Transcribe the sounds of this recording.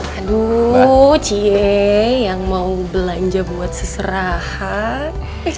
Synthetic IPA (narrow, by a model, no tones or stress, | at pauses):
adu | t͡ʃiɛjaŋmaubəlaɲd͡ʒabuat̪̚səsəɾah | a